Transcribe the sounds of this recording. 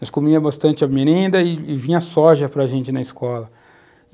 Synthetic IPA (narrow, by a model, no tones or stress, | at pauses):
skõmiɐbast̪ɐ̃nt͡ʃɪɐmeɾẽnd̪ɐɪːvĩɲɐsɔʒɐpɾɐʒẽnt͡ʃɪnɐiskɔlɐ